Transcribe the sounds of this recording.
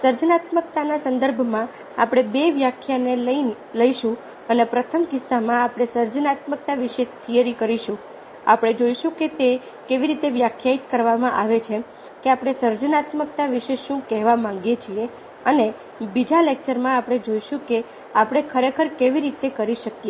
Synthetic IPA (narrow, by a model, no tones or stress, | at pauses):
səɾd͡ʒənat̪mək̚t̪anasənd̪əɾbʱmã | apɽ̃ebeʋjakʰjaneləi | ləiʃũ | ənepɾət̪ʰəmkɪsːamãapɽ̃esəɾd͡ʒənat̪mək̚t̪aʋiʃet̪ʰijəɾikəɾiʃũ | apɽ̃ed͡ʒoiʃũket̪e | keʋiɾit̪eʋjakʰjait̪kəɾʋamãʔaʋet͡ʃʰe | keapɽ̃esəɾd͡ʒənat̪mək̚t̪aʋiʃeʃũkɛɦʋamãŋɡjet͡ʃʰie | əne | bid͡ʒalek̚t͡ʃəɾmãapɽ̃ed͡ʒoiʃũke | apɽ̃ekʰəɾekʰəɾkeʋiɾit̪ekəɾiʃəkje